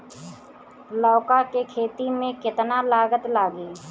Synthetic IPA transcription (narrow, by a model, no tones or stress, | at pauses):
lɔːkakekʰeːt̪imẽkɪt̪nalaːɡət̪laːɡiː